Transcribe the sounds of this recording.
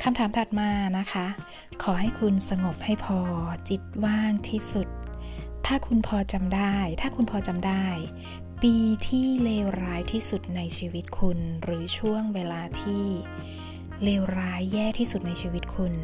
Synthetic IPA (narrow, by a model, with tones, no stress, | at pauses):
kʰa˧mt̪ʰaː˨˩˦mt̪ʰa˨˩t̪̚maː˧na˦˥kʰa˦˥ | kʰɔː˩˦ha˥˩jkʰu˧nsa˧ŋo˨˩p̚ha˥˩jpʰɔː˧t͡ɕi˨˩t̪̚waː˥˩ŋt̪ʰiː˥˩su˨˩t̪̚ʰː | aː˥˩kʰu˧npʰɔː˧t͡ɕa˧mdaː˥˩jt̪ʰaː˥˩kʰu˧npʰɔː˧t͡ɕa˧mdaː˥˩j | piː˧t̪ʰiː˥˩leː˧wɾaː˦˥jt̪ʰiː˥˩su˨˩t̪̚na˧jt͡ɕʰiː˧wi˦˥t̪̚kʰu˧nɾɯː˩˦t͡ɕʰu˥˩əŋweː˧laː˧t̪ʰiː˥˩ | leː˧wɾaː˦˥jːɛː˥˩t̪ʰiː˥˩su˨˩t̪̚na˧jt͡ɕʰiː˧wi˦˥t̪̚kʰu˧n